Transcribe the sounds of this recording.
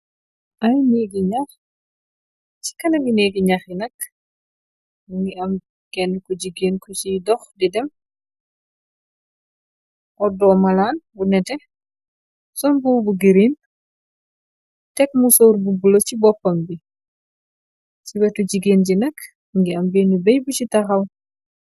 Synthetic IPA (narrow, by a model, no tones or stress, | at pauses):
ʔɐjniɡiɲax | t͡ʃi̥kɐnɐɡineɡiɲaxinɐk̚ | ŋɡiɐm | kɛnːkɔɟiɡeːnkɔt͡ʃidɔxdidɛm | ʔɔdɔːmɐlaːnbunɛtɛ | sɔnbubuɡiɾiːn | tɛk̚musɔːɾbubulocibɔpːɐmbi | t͡ʃibɐtuɟiɡeːnd͡ʒinɐk | ŋɡiɐmbenubɐjbucitɐxɐw